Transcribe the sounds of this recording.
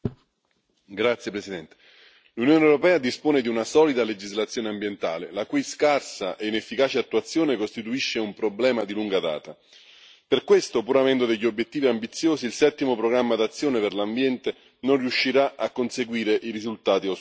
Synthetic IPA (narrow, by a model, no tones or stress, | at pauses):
ɡɾat̪sjepɾesid̪ɛnt̪e̥ | lunjoːnewɾopɛːad̪ispoːned̪iunasɔːlid̪aled͡ʒizlat̪sːjoːneambjent̪a̰ːlelakujskarsaʔeinefːikaːt͡ʃeat̪ːuat̪sːjoːnekost̪it̪uiʃːeumpɾoblɛːmad̪iluŋɡad̪a̰ːt̪a | perkwest̪opuːɾavɛnd̪od̪eʎːiobːjet̪ːiːviambit̪sːjoːsiːlsɛt̪ːimopɾoɡɾamːad̪at̪sːjoːneperlambjɛnt̪e | nonriuʃːiɾaʔakːonseɡwiːɾeʔiɾizult̪aːt̪io